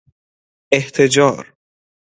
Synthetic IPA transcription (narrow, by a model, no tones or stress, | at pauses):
eht̪ʰed͡ʒɒːɾ